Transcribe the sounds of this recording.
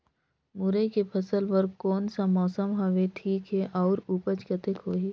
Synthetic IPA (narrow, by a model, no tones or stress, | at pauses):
mʊɾekepʰɐsəlpɐɾkɔːnsamɔːsəmɦɐʋeʈʰiːkɦeʔɔːɾuːpət͡ʃkət̪ekɦoːɦiː